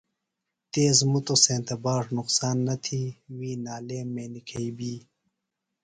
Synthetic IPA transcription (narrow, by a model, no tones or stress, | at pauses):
t̪eːzmut̪osẽːnt̪ɐbaːʐnuqsaːnːɐt̪ʰiwiːnaːleːmːeːnikʰɐibiː